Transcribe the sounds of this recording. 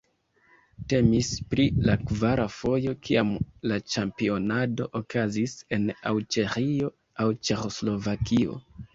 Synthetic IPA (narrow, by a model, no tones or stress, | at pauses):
te̞mispɾilakvaɾafo̞jo̞kʰiamlat͡ʃampio̞nado̞ʔokazise̞na̰wt͡ʃe̞ɾio̞ | awt͡ʃe̞xo̞slo̞vakio̞̰